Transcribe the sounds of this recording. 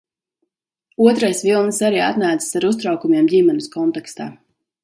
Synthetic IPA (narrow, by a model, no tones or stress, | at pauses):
uɔt̪ɾajsvilˠnsaɾiːa̰t̪naːt̪sḁsaɾust̪ɾawkumjeɛmdʲimɛnuskɔnt̪ɛkst̪aː